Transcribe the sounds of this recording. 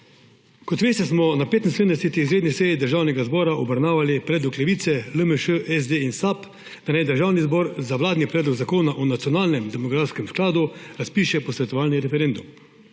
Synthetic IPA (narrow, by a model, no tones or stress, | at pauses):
kɔt̪ʋeːst̪ɛsmɔnapeːt̪nseːnd̪ɛset̪iizɾeːd̪nisɛjid̪əɾʒaːwnɛɡazbɔːɾaʔɔbɾawnaːʋalipɾɛd̪uklɛʋiːt̪sɛləməʃəʔɛzd̪einsap | d̪̥anajd̪əɾʒaːwnizbɔːɾzaʋlaːd̪nipɾɛːd̪lɔɡzakoːnaʔɔnat̪jɔnaːlnɛmd̪ɛmɔɡɾaːt̪skɛmsklaːd̪uɾaspiːʃɛpɔsʋɛt̪ɔʋaːlniɾɛfɛɾend̪um